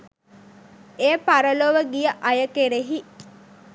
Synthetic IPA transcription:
eːpaɾəloʋəɡijəʔajəkeɾeɦi

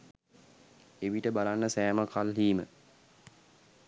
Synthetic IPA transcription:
eʋiʈəbalanːəsæːməkʰalɦiːmə

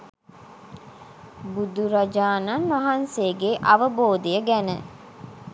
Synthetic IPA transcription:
bud̪uɾɐd͡ʒaːnɐnʋaɦanseːɡeʔɐʋəboːd̪ijəɡænə̰

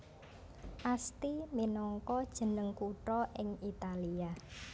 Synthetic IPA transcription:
ʔast̪iminɔŋkɔd̥ʒ̥ə̤nəŋkuʈɾɔʔɪŋit̪alia

